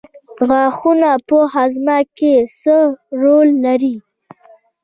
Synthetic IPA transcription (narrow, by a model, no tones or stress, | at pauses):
ɣɑxunapəɦazmakesəɾolːaɾi